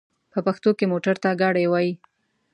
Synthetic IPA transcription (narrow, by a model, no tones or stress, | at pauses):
pəpaxt̪okemoʈaɾt̪aɡɑɽajwɑji